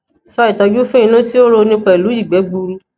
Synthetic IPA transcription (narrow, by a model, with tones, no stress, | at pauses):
sɔ˧˦i˦˨tɔ˨˧d͡ʒu˦fẽ˦ĩ˧nũ˦ti˦o˦ɾo˧nĩ˧k͡pɛ˧i˨lu˨˦i˦˨ɡ͡bɛ˨˦ɡ͡bu˧ɾu˧